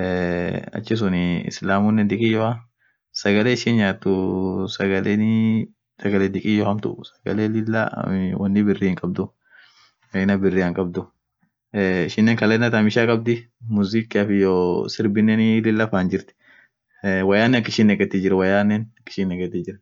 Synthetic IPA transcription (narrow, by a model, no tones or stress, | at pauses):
ɐ̰t͡ʃːɪs̬ʊnɪɪ̰slaːmunːɛnd̪ɪkʼiːjɔhɐ | sɐɡɐleːɪʃɪnjaːt̪ːʊsɐɡɐleːn | sɐɡɐleːd̪ɪkʼiːjɔhɐmt̪ʊ̰ʔsɐ̥ɡɐ̰leːlɪlːa̰wɐnːɪbɪrːɪhɪŋkʼɐbd̪ʊ | ɐɪnɐbɪrːiɐŋkʼɐbd̪ʊ | ɪʃɪnːeːŋkɐleːnːɐt̪ɐmɪʃaːkʼɐb̚d̪ɪmʊzɪkːɪɐfɪjosɪɾbɪnːɛnɪlɪlːɐfaːnd͡ʒɪɾt̪ɪ̥ | wɐjaːnːɛɐkːɪʃiːnːɛɡɛt̪ːɪd͡ʒɪɾɐwɐjaːnːɛnɐkːɪ̥ʃiːnːɛɡɛt̪ːɪd͡ʒɪɾ